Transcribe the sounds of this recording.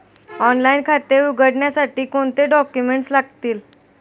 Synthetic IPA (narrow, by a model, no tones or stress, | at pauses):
ɔnlainkʰat̪euɡʱəɽɳjasaʈiːkoɳt̪eɖɔkjumeɳʈslaɡ̚t̪iːl